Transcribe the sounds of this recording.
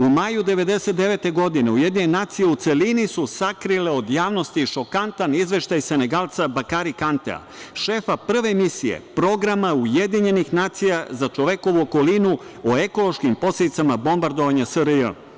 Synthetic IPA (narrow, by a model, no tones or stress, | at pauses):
umaːjud̪e̞ʋe̞d̪e̞se̞t̪d̪eʋe̞t̪e̞ɡo̞d̪ine̞uje̞d̪nɲiɲenaːt̪sije̞ut̪se̞linisusakɾile̞o̞d̪jaːʋno̞st̪iʃo̞kant̪anizʋe̞ʃt̪ajse̞neɡalˠt̪sabakaɾikant̪ḛa̰ʃe̞ːfapr̩ʋe̞misijḛpɾo̞ɡɾamauje̞d̪iɲe̞nixnaːt̪sijazat͡ʃo̞ʋe̞ko̞ʋuoko̞linu | oe̞ko̞lˠo̞ʃkimpo̞sled̪it̪samabo̞mbaɾd̪o̞ʋaɲasəɾəjə̰